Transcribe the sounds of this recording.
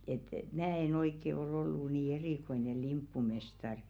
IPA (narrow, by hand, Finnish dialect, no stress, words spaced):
et mæː en oikːe ol olːu niː eriˑkoine limpːumestɑr